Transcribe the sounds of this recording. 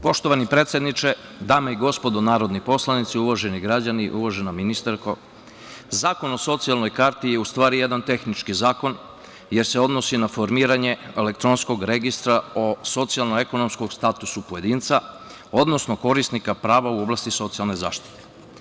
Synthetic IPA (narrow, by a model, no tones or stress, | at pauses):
po̞ʃt̪o̞ʋanipɾe̞t̪sjed̪nit͡ʃe̞d̪aːmaiɡo̞spo̞d̪onaːɾo̞d̪nipo̞slˠanit̪siuʋoʒe̞niɡɾaaniʔuʋoʒenaminist̪aɾko̞̰ | zaːko̞no̞so̞t̪sialno̞jkaɾt̪ije̞ust̪ʋaːɾije̞d̪ant̪e̞xnit͡ʃkizaːko̞n | je̞ɾseo̞d̪no̞sinafo̞ɾmiːɾaɲe̞elek̚t̪ɾo̞nsko̞ɡɾeɡist̪ɾao̞so̞t̪sialˠnoe̞kono̞mskoɡst̪at̪usupojed̪iːnt̪sa | o̞d̪no̞snoko̞ɾist̪nikapɾaːʋauo̞blˠast̪iso̞t̪sialˠne̞jza̰ːʃt̪i̥t̪e̥